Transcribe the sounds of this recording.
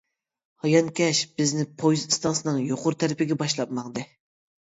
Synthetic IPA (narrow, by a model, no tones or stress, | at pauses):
hɑjɑnkʲɛʃb̥ɪznɪpʰojzɨst̪ɑnsɨnɨŋjoqʰʊɾt̪ʰæɾɪpɪɡʲɛbɑʃlˠɑp̚mɑʁd̪ɨ